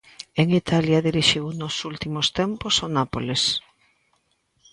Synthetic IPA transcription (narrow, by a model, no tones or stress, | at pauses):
eŋit̪ʰaljaðiɾiʃiwnosult̪imʊst̪emposonapoles